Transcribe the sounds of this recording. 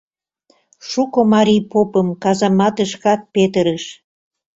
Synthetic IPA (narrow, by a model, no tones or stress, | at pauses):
ʃukomɑɾijpopəmkɑzɑmɑt̪əʃkɑt̪̚pet̪əɾəʃ